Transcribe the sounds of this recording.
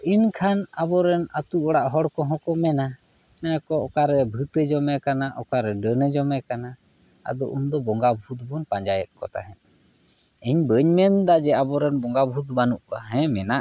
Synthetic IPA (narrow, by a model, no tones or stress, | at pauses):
inkʰanabɔɾɛnat̪uɔɽaʔɦɔɽkɔɦɔ̃kɔmɛna | mɛnakɔɔkaɾɛbʱɨt̪ɛd͡ʒɔmɛkanaʔɔkaɾɛɖənɛd͡ʒɔmɛkana | a̰d̪ɔʔumd̪ɔbɔŋɡabʱut̪̚bɔnpaɲd͡ʒajɛt̪̚ˀkɔ̰t̪a̰ɦɛn | ɛɲbəɲmɛnd̪ad͡ʒɛabɔɾɛnbɔŋɡabʱut̪̚banuʔkaɦɛ̃mɛnaʔ